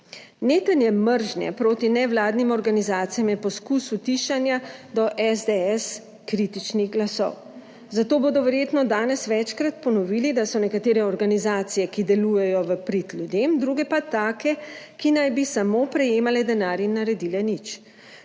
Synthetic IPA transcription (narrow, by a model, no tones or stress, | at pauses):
neːt̪ənjɛməɾʒnjɛ̰pɾoːt̪inɛʋlaːd̪nimɔɾɡanizaːt̪sijamjɛpɔskusut̪iʃanjad̪ɔʔɛzd̪eɛs | kɾit̪it͡ʃniɣɡlasɔ̰w | zat̪oːboːd̪ɔʋɛɾjeːt̪nɔd̪aːnɛsʋɛt͡ʃkɾat̪̚pɔnɔʋiːlid̪asɔnɛkat̪eːɾɛɔɾɡanizaːt̪sijɛkid̪ɛlujɛjɔʋəpɾit̪lʲjud̪emd̪ɾuɡɛpat̪aːkɛkinajbisamoːpɾɛjeːmalɛd̪ɛnaːɾinːaɾɛd̪ilɛnit͡ʃ